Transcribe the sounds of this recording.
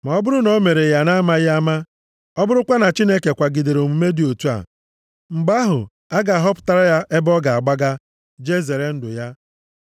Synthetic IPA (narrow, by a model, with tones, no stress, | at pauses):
ma˨ɔ˦bʊ˦ɾʊ˦no˦me˨ɾe˨ja˨na˦ma˦ja˦ma˦ | ɔ˦bʊ˦ɾʊ˦kʷa˦na˨t͡ʃi˦ne˦ke˨kʷa˨ɡi˨de˨ɾo˨mu˨me˦di˨o˨tu˦a̰˨ | ŋ͡m̩˨ɡ͡ba˦ɦʊ̰˨ | a˦ɡa˨a˨ɦɔ˦p̬ʊ̥˨ta˦ɾa˦ja˦ʔe˦bɔ˦ɡa˨a˨ɡ͡ba˦ɡa˦ | d͡ʒe˦ze˨ɾe˦n̩˦dʊ̰˨ja˦